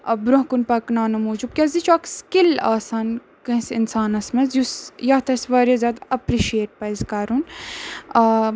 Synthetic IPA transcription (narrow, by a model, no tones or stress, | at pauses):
bɾuɦkunpɐknaːnɐmoːd͡ʒub̚kʲjɐzit͡ʃʰuɐkskilaːsaːn | kɨ̃sinsaːnɐsmɐzjusjɐt̪ɐsʋɐːɾjɐzʲaːd̪ɐpɾiʃieːʈ̚pɐzkaːɾun